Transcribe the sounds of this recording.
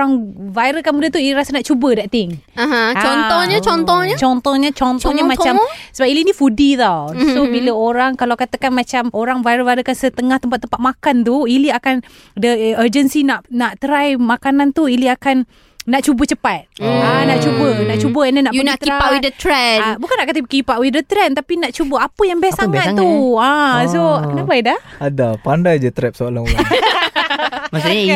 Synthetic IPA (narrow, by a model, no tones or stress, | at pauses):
aŋvajɾəlkanmudəht̪uiliɾasanaʔt͡ʃubədaʔt̪ɪŋaɦãt͡ʃɔnt̪ɔɲət͡ʃɔnt̪ɔɲət͡ʃɔnt̪ɔhɲət͡ʃɔnt̪ɔɲamãamsəbapilinifudit̪awsobiləoɾaŋkalawkat̪əkanmat͡ʃamoɾaŋvajɾəlvajɾəkansət̪əŋaht̪əmpat̪ːəmpat̪̚makant̪uiliakan | dəəd͡ʒənsinaʔnaʔt̪əɾajmakanant̪uiliakanː | aʔt͡ʃubət͡ʃəpat̪̚anaʔt͡ʃubənaʔt͡ʃubəɛnənaʔunt̪ipawidət̪ɾɛbukanːaʔkat̪əkipaʔwidət̪ɾɛnt̪apinaʔt͡ʃubəapəjaŋbɛassaŋat̪ːuasoakənabajdahadapandajd͡ʒat̪ɾɛp̚səala | masaɲa